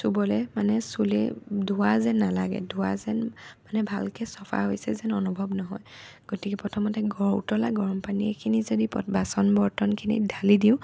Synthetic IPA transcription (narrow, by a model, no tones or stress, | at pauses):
subɔlɛmanɛsulḛdʱuwazɛnːalaɡɛ̰dʱuwazɛnmanɛbʱalkɛsɔpʰa̰ɦojsɛzɛnɔnubʱɔbnɔɦɔjɡ̥otikɛpɹɔtʰɔmɔtɛɡɔɹṵtɔlaɡɔɹɔmpaniɛkʰinizodipɔ̰basɔnbɔɹtɔnkʰinḭdʱalidiʊ̃